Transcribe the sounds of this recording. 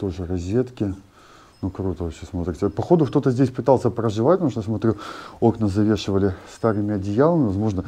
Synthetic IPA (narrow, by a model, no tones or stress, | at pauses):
t̪oʐɨrɐzʲe̞t̪kʲɪ | nukɾut̪əvɐpɕesmot̪ɾʲɪtʲɪpɐxo̞d̪ʊkt̪o̞t̪əzʲdʲesʲpɨt̪alˠsʲəpɾəʐɨvatʲp̪muʂt̪əjasmɐt̪ɾʲuoknəzɐvʲe̞ʂɨvəlʲɪst̪aɾɨmʲɪɐdʲɪjalˠəmʲɪvɐzmo̞ʐnə